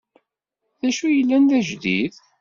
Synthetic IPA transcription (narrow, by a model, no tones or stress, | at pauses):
ðæʃujəlːænd̪æʒðið